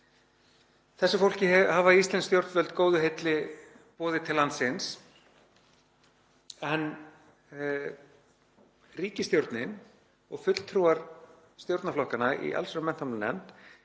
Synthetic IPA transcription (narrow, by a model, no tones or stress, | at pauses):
θɛsːʏfowl̥cɪɛhaːvaist̪lɛnst̪jowɾt̪vœlt̪koːwðʏɦejt̪lɪ | pɔːðɪt̪ʰɪlːant̪sɪns | ɛn | riːcɪst̪jowɾt̪nɪn | ɔɣfʏt̪l̥t̪ʰɾuːaɾ̥ | st̪jowɾt̪naflɔhkanaḭʔa̰lsɾʏmɛn̥t̪ʰamlʏnɛ̰m̥t̪